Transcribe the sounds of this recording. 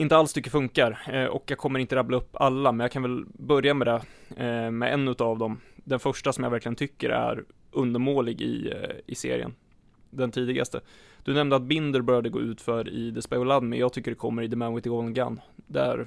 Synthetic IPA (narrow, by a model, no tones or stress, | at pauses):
ɪnt̪əalst̪ʰʏkːəfɵŋkaɾʔɔ̰kjɑːɡkʰɔmːəɾɪnt̪əɾablaɵpːalːamɛnjaːkʰanvɛlbœɾjamɛd̪ɛ | mɛ̰ɛnːʉ̟t̪avd̪ɔmd̪ɛnfœʂʈasɔmja̰væɾklɪɡənt̪ʰʏkːə̰ɾæ̰ɾ | ɵnd̪əɾmoːlɪɡɪ̰ɪsḛːɾɪ̰ə̰n | d̪ɛnt̪ʰiːd̪ɪɡa̰st̪əd̪̥ɵnɛmnd̪əat̪̚bɪnd̪əɾbœɾjad̪əɡo̰ːʉ̟ːt̪fœɾɪ̰d̪ɛspaʊlad̪mɪjɑːɡt̪ʰʏkːəɖɛkʰɔmːəɾɪd̪əmanwɪt̪ɪɔlɡa̰nd̪ææ̰ɾ